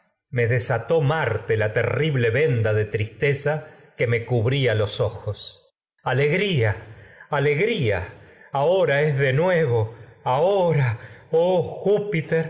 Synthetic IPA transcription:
meðesat̪o̞maɾt̪elat̪ḛriβleβe̞nd̪aðe̞t̪ɾist̪esakeme̞kuβɾialo̞soxos | aleɣɾiaaleɣɾia̰aoɾaezðe̞nweβo̞aoɾaoxupit̪eɾ

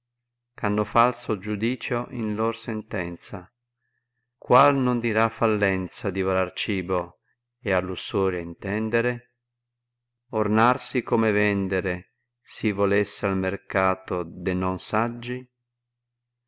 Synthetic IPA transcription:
kanːʊfalsod͡ʒud̪iːt͡ʃoʔinlɔrsɛnt̪ɛnt̪sa | kwalnʊnd̪iɾafːalːɛnt̪sad̪ivolart͡ʃiːbo | ealːusɔːɾjaint̪ɛnd̪eɾe | ornarsikomevɛnd̪eɾe | sivolɛsːealmerkaːt̪od̪enɔnsad͡ʒːi

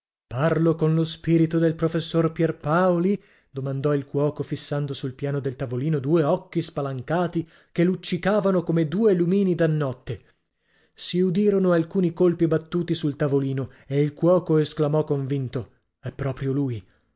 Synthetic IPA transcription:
parlokonlospiɾit̪od̪elpɾofesːorpjɛrpaoli | d̪̥omand̪ɔilkwɔːkofisːand̪osulpjaːnod̪elt̪avoliːnod̪uːeɔkːispalaŋkaːt̪i | kelut͡ʃːikaːvanokomed̪uːelumiːnid̪anːɔt̪ːe | siud̪iːɾonoalkuːnikolpibat̪ːuːt̪isult̪avoliːno | eilkwɔːkoesklamɔkːoɱvint̪o | ɛpːɾɔːpɾjoluːj

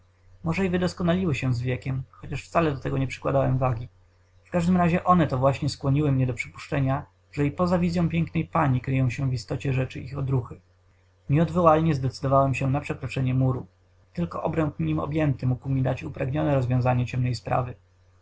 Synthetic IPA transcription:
mɔʐɛivɘd̪ɔskɔnalʲiwɘɕɛ̃zvʲjɛkʲɛmxɔt͡ɕaʂft̪salɛd̪ɔt̪ɛɡɔɲɛpʂɘ̥kwad̪awɛmvaɡʲi | fkaʐd̪ɘmɾaʑɛʔɔnɛt̪ɔvwaɕɲɛskwɔɲiwɘmɲɛd̪ɔpʂɘ̥pu̥ʂt͡ʂɛɲa | ʐ̥ɛipɔzavʲizjɔ̃w̃pʲjɛŋknɛjpaɲikɾɘjɔ̃w̃ɕɛwvist̪ɔt͡ɕɛʐɛt͡ʂɘixɔd̪ɾuxɘ | ɲɛɔd̪vɔwalɲɛzd̪ɛt̪sɘd̪ɔvawɛmɕɛnapʂɛkɾɔt͡ʂɛɲɛmuɾu | t̪ɘlkɔʔɔbɾɛnk̪ɲimɔ̰bʲjɛnt̪ɘmukwmʲid̪at͡ɕupɾaɡɲɔnɛɾɔzvʲjɔ̃zaɲɛt͡ɕɛmnɛjspɾa̰vɘ

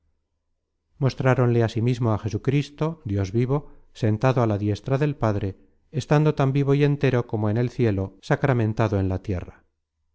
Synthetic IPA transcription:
mo̞st̪ɾaɾo̞nleasimizmo̞axe̞sukɾist̪o̞d̪jo̞zβiβo̞ | se̞nt̪aðoalaðje̞st̪ɾaðe̞lpaðɾe̞ː | st̪and̪o̞t̪ambiβ̞o̞ie̞nt̪e̞ɾo̞ko̞moene̞lθje̞lo̞sakɾamẽ̞nt̪aðoe̞nlat̪je̞̰ra

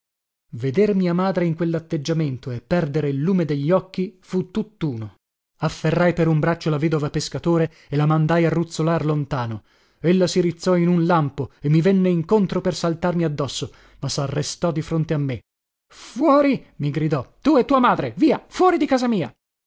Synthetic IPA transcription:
ved̪ermiamaːd̪ɾeiŋkwelːat̪ːed͡ʒːament̪oepːɛrd̪eɾeilːuːmed̪eʎːɔkːifut̪ːut̪ːuːno | afːerːajpeɾumbɾat͡ʃːolaveːd̪ovapeskat̪oːɾe | elamand̪ajarːut̪sːolarlont̪aːno | elːasiɾit̪sːɔinunlampoemːivɛnːeiŋkont̪ɾopersalt̪armiad̪ːɔsːo | masarːest̪ɔd̪ifɾont̪eamːe | fwɔːɾimiɡɾid̪ɔt̪uɛt̪ːuːamaːd̪ɾeviːafwɔːɾid̪ikaːzamiːa

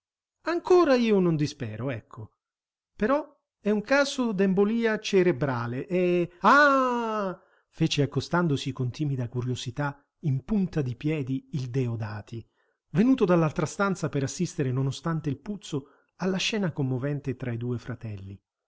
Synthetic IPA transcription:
aŋkoːɾaiːonond̪ispɛːɾoɛkʰːo | peɾɔ | ɛuŋkaːzod̪ɛmboliːat͡ʃeɾebɾaːleʔɛa | feːt͡ʃeakːost̪and̪osikont̪iːmid̪akuɾjozit̪a | impunt̪ad̪ipjɛːd̪iːld̪ɛod̪aːt̪i | venuːt̪od̪alːalt̪ɾast̪ant̪sapeɾasːist̪eɾenonost̪ant̪eilput̪so | alːaʃːɛːnakomːovɛnt̪et̪ɾaid̪uːefɾat̪ɛlːi

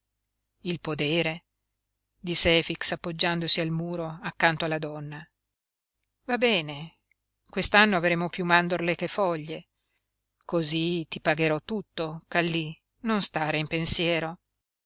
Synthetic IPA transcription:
ilpod̪eːɾe | d̪isːeɛːfiksapːod͡ʒːand̪osialmuːɾoakːant̪oalːad̪ɔnːa | vabɛːne | kwest̪anːoavɾeːmopjumːand̪orlekefɔʎːe | kozit̪ipaɡeɾɔt̪ːut̪ːokalːi | nonst̪aːɾeimpensjɛːɾo

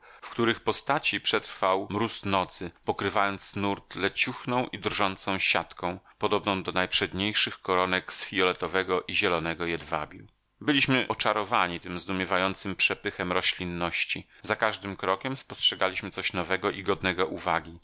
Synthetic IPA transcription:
fkt̪uɾɘxpɔst̪at͡ɕipʂɛt̪ɾfawmɾusnɔt̪sɘpɔkɾɘvajɔnt̪snuɾt̪lɛt͡ɕuxnɔ̃w̃ʔid̪rʐɔnt̪sɔ̃w̃ɕat̪kɔ̃w̃ | pɔd̪ɔbnɔ̃w̃d̪ɔnajpʂɛd̪ɲejʂɘxkɔɾɔnɛksfʲijɔlɛt̪ɔvɛɡɔʔiʑɛlɔnɛɡɔjɛd̪va̰bʲju | bɘlʲiɕmɘʔɔt͡ʂaɾɔvaɲit̪ɘmzd̪umʲjɛvajɔnt̪sɘmpʂɛpɘxɛmɾɔɕlʲinːɔɕt͡ɕi | zakaʐd̪ɘmkɾɔkʲɛmspɔstʂɛɡalʲiɕmɘt̪sɔɕnɔvɛɡɔʔiɡɔd̪nɛɡɔʔuvaɡʲi

